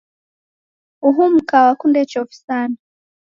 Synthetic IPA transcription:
uɦum̩kawakundet͡ʃofi̥sana

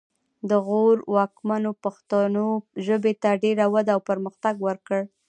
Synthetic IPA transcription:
d̪əɣoɾwɑkmanopaxt̪anoʒəbet̪aɖeɾawad̪awpəɾməxt̪aɡwəɾkəɽ

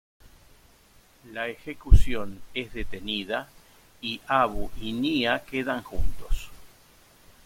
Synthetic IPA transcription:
laexekusjo̞nezðet̪e̞niða | iʔaβuʔiniake̞ðaŋxṵnt̪o̥s

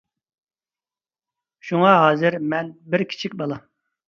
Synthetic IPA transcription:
ʃuŋɑɦɑːzɨɾmɛnbɪɾkʲʰi̥t͡ʃʰikʲbɑlˠɑ

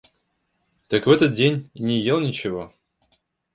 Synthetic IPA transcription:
t̪əkvɛt̪ət̪̚dʲenʲnʲɪjelˠnʲɪt͡ɕɪvo

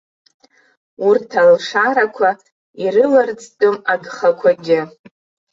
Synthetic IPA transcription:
urtʰalʂaɾakʷʰa | iɾɨlard͡zʼtʼomaɡχakʷʰaɡʲɪ

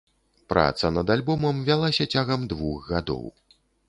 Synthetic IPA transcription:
pɾa̰t̪sɐnɐd̪alʲbɔmɐmvʲalˠasʲɐt͡sʲaɣɐmd̪vuxɣad̪ɔ̰w

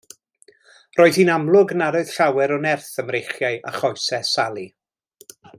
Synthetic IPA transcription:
rɔːɨð̥hinamlˠʊɡnaɾɔɨð̥ɬawɛɾɔnɛrθəmrejχjajʔa̰χɔjsɛsalˠi

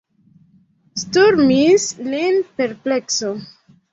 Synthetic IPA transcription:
stuɾmislenpeɾplekso

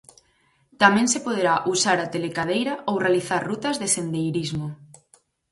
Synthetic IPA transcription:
t̪amɛ̃ŋsepoð̞eɾaʔusaɾat̪elekaðejɾɐowrealiθaɾrut̪ɐzðesend̪ejɾizmo

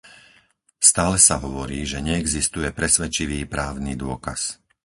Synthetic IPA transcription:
st̪aːlɛsaɦɔʋɔɾiːʒɛɲɛːɡzist̪ujɛpɾɛsʋɛt͡ʃiʋiːpɾaːʊnid̪ʊɔka̰s

